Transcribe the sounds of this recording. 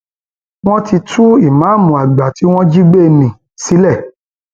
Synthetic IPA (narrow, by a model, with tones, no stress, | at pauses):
w̃ɔ̃˦ti˧tʰu˦i˦˨mã˨˦mũ˨a˨ɡ͡ba˨ti˨˦w̃ɔ̃˦d͡ʒi˦ɡ͡be˦˨nĩ˨ | si˨˦lɛ˦˨